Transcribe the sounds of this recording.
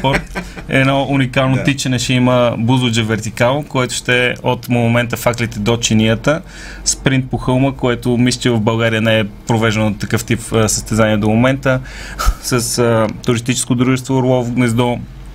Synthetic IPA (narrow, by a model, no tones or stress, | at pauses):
pɔɾt̪ɛ̰nɔunikalˠnot̪it͡ʃɛnɛʃɛiməbuzʊd͡ʒəvɛɾt̪ikalˠkoɛt̪ʊ̥ʃt̪ɛɛot̪momɛnt̪əfaklit̪ɛd̪ot͡ʃiniət̪ə | spɾint̪̚poxɤlˠməkoɛt̪ʊmist͡ʃivəvbɐlˠɡaɾiənɛɛpɾovɛʒɛnoot̪ːɐkɤft̪ipːsəst̪ɛzaniɛd̪omomɛnt̪ə | səsət̪ʊɾist̪it͡ʃɛ̥skod̪ɾuʒɛst̪voɾlˠɔvɡnɛzd̪o